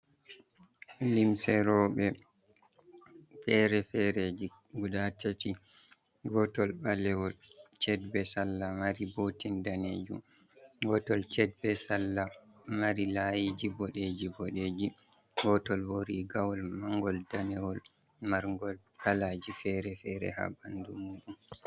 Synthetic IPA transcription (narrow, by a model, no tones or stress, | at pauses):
limsɛɾɔɓɛ | fɛɾɛfɛɾed͡ʒi | ɡudatati | ɡɔtɔlɓalɛwɔlt͡ʃɛdbɛsalːamaɾibotindaned͡ʒum | ɡɔtɔlt͡ʃɛd̚bɛsalːamaɾilajid͡ʒibɔɗed͡ʒibɔɗed͡ʒi | ɡɔtɔlboɾiɡawɔlmaŋɡɔldanɛwɔl | maɾŋɡɔl | kʰalaːd͡ʒifɛɾɛfɛɾɛ̰ha̰bandumːuɗum